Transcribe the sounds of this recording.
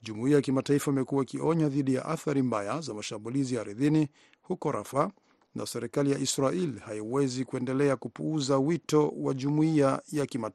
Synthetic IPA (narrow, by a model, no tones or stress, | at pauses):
ʄumuiajakimataifaimɛkuwakiɔɲaðiɗija̰ʔaθaɾimbajazamaʃambulizijaːɾiðini | hukɔɾʔa̰fa | nʔa̰sɛɾikalijaʔisɾailihaiwɛzikuɛndɛlɛakupuuzawitɔwaʄumuiajakima